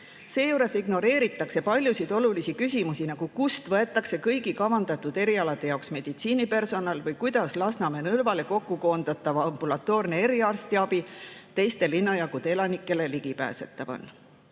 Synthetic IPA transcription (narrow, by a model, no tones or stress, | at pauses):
se̞ːjuɾe̞siɡno̞ɾe̞ːɾit̪ːˑɑkse̞pɑlʲjusid̪̥o̞lulisikysʲimusinɑɡ̥ukust̪vɤe̞t̪ːˑɑkse̞kɤjɡikɑvɑnd̪̥ɑt̪ːud̪̥e̞ɾiɑlɑd̪e̞jɑoksme̞d̪̥it̪siːnipe̞rso̞nɑlvɤjkujd̪̥ɑslɑsnɑme̞nɤlvɑle̞ko̞kːuko̞ːnd̪̥ɑt̪ːˑɑvɑɑmb̥ulɑt̪ːˑo̞ːrnee̞ɾiɑrst̪iɑbit̪e̞jst̪e̞linːɑjɑɡud̪ee̞lɑnikːˑe̞le̞liɡ̥ipæ̰ːse̞t̪ːˑɑvo̰n